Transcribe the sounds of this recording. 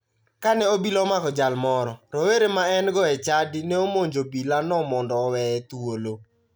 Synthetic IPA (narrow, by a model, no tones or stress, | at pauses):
kanɛobilɔmakɔd͡ʒalmɔɾɔɾɔweɾemaɛnɡɔɛt͡ʃadɪnɛomoɲd͡ʒobilanɔmɔndɔːwɛɛt̪wolo